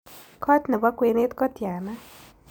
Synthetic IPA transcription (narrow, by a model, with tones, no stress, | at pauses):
kʰɔ˦t̪nɛ˨ba˦kwe˧ne˦t̪kɔ˦t̪ja˨na˦